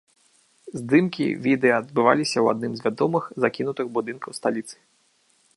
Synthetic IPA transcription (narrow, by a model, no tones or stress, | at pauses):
zʲd̪ɨmkʲḭvʲid̪ɛɐːd̪̚bɨva̰lʲisʲɐwa̰d̪̚nɨmzʲvʲad̪ɔmɨxzakʲinut̪ɨɣbud̪ɨnkɐwst̪alʲit̪sɨ̥